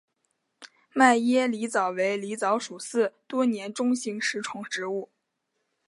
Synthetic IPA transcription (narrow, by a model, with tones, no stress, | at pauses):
ma˥˩ɪjɛ˥li˧˥t͡sɑ˨˩ʊwe˧˥ɪli˧˥t͡sɑ˧˥ʊʂu˨˩sɹ̩˥˩t̪wɔ˥njɛ˧˥nʈ͡ʂʊ˥ŋɕi˧˥ŋʂɻ̩˧˥ʈ͡ʂʰʊ˧˥ŋʈ͡ʂɻ̩˧˥u˥˩